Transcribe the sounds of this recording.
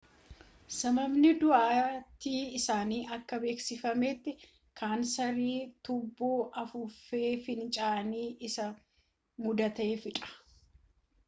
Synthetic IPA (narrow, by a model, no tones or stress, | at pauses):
sɐmɐbnɪd̪ʊʔaːt̪ːiːɪsaːniːʔɐkːɐbe̞ːksɪfɐmeːt̪ːɪ | kʰaːnsɐɾiːt̪ʊbːoːʔɐfʊfːe̞ːfɪnt͡ʃʼaːniːʔɪsɐ | mʊd̪ɐt̪eːfɪᶑʼɐ̥